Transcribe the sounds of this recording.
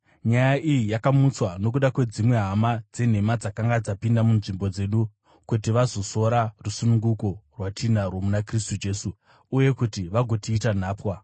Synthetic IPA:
ɲajaʔijijakamut͡swano̞k̬uɗakwe̞d͡zimwe̞ɦamad͡ze̞n̤e̞mad͡zakaŋɡad͡zapindamunʐimbo̞d͡ze̞ɗu | kutiʋazo̞so̞ɾarusunuŋɡuko̞rwatʰinarwomunakristud͡ʒe̞ːsuː | je̞kutiʋaɡʱo̞tiːtan̤aːpwa

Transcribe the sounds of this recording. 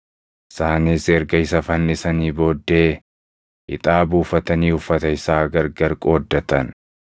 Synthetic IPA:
ʔɪsaːniːsɛɾɡɐɪsɐfɐnːɪsɐniːbo̞ːd̪ːe̞ː | ɪ̰t̪ʼaːbuːfɐt̪ɐniːhʊfːɐt̪ɐɪsaːɡɐɾɡɐɾkʼo̞ːd̪ːɐt̪ɐn

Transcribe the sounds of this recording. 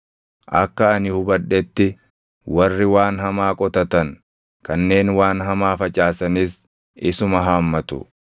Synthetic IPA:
ʔɐkːɐːnɪhʊbɐᶑɛt̪ːɪ | wɐrːɪwaːnɦɐmaːkʼɔt̪ɐt̪ɐn | kɐnːe̞ːnwaːnɦɐmaːfɐt͡ʃʼaːsɐnɪs | ʔɪsʊmɐɦaːmːɐt̪ʊ̰

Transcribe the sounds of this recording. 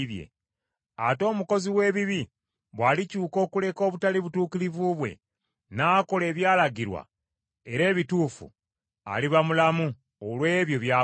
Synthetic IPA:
βjḛ | ato̞ːmuko̞ziwe̞ːβiβi | βwalicuːko̞ːkule̞ko̞ːβutaliβutuːkilivuβwe̞̰ | naːko̞le̞ːβjaːlaɡiɾwa̰ | eɾe̞ːβituːfṵ | a̰liβamulamu | olwe̞ːβjo̞βja

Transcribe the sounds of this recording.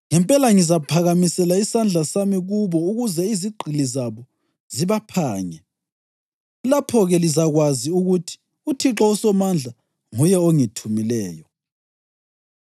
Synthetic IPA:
ŋɛmpʼɛlaŋizapʰaɣamisɛlaisand͡ɮʱasamiɣuβɔuɣuzɛiziɡ͡ǃʱilizaβɔ | ziβapʰaːɲɛ | lapʰɔɣɛlizaɣwaziuɣutʰi̥ | utʰiǁɔusɔmand͡ɮʱa | ŋujɛoŋitʰumilɛːjɔ

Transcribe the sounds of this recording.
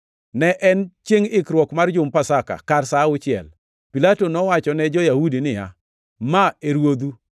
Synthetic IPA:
nɛʔɛnt͡ʃeŋɪkɾwɔkmard͡ʒʊmpasaka̰karsaʊt͡ʃɪɛ̰l | pilatonɔwat͡ʃɔnɛd͡ʒɔjahudinɪja̰ | maeɾwod̪u

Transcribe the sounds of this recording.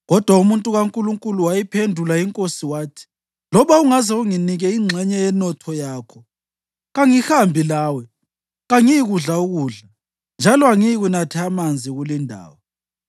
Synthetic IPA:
ɣɔd̥ʱwaumuntʼuɣaŋkʼuluŋkʼuluwajipʰendʱulaiŋkʼosiwaːtʰi̥ | lɔβauŋazɛuŋiniɣɛiŋ͡ǁʱɛɲɛjɛnɔtʰɔjaːkʰɔ | ɣaŋihambʱilaːwɛ | ɣaŋijiɣuɮauɣuːɮa | nd͡ʒʱalɔaŋijiɣunatʰɛamand͡zʱiɣulindʱa̰ːwɔ

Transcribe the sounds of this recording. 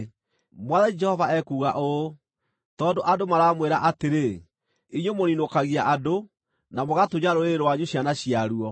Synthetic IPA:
mwaðɛd͡ʒɛhɔvaɛkuːɣaʔo | tɔːndoʔadomaɾaːmweɾaʔateɾe | iɲwemoninokaɣiaʔado | namoɣatoɲaɾoɾeɾwaɲuɕjanaɕiaɾuɔ

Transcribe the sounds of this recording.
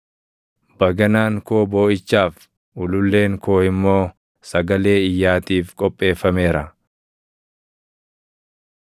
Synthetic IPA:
bɐɡɐnaːŋkoːbo̞ːɪt͡ʃːaːf | ʔʊlʊlːe̞ːŋko̞ːɪmːo̞ː | sɐɡɐle̞ːɪjːaːt̪iːfkʼɔpʼːe̞ːfɐme̞ːɾɐ

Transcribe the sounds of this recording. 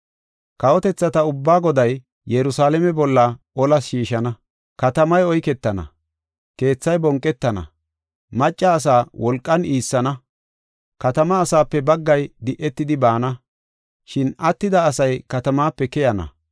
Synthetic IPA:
kɐwɔt̪ɛt͡sːɐt̪ɐʊbːaːɡɔd̪ɐj | jɛɾʊsaːlɛmɛbɔlːɐ | ɔlɐsʃiːʃɐnɐ | kɐt̪ɐmɐjɔjkɛt̪ːɐnɐ̰ | ke̞ːt͡sːɐjbɔŋkʼːɛt̪ːɐnɐ̰ | mɐt͡ʃʼːɐːs̬aːwʔɔlkʼːɐniːsːɐnɐ | kɐt̪ɐmɐːsaːpːɛbɐɡːɐjd̪ɪʔɛt̪ːɪd̪ɪbaːnɐ | ʃɪnɐt̪ːɪd̪ɐːsɐjkɐt̪ɐmaːpːɛkɛjɐnɐ̰

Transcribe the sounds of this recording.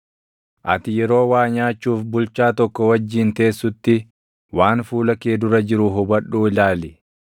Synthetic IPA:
ʔɐt̪ɪjɛɾo̞ːwaːɲaːt͡ʃːuːfbʊlt͡ʃːaːt̪ɔkːɔwɐd͡ʒːiːnt̪e̞ːsːʊt̪ːɪ | waːnfuːlɐkeːd̪ʊɾɐd͡ʒɪɾʊɦʊbɐᶑːuːɪlaːlɪ

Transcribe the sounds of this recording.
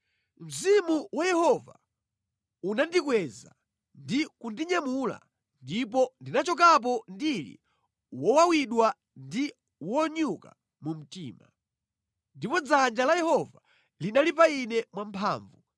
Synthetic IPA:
m̩zimuwajɛhɔva | unandikwɛza̰ | ndikundiɲamula̰ | ndipɔndinat͡ʃɔk̬ap̬ɔndilḭ | wɔwawiɗwa | ndi | wɔɲuka̰ | mum̩tiːma̰ | ndipɔd͡zand͡ʒalajɛhɔva | linalipainɛmwampʰa̰ːɱvu

